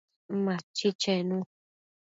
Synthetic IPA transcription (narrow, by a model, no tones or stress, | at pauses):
mãt͡ʃit͡ʃẽnũ